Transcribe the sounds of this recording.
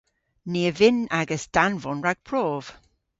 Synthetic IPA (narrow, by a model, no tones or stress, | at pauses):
niːəvɪnaɡəsd̥anvɔnɹaɡ̥̚pʰɹoːv̥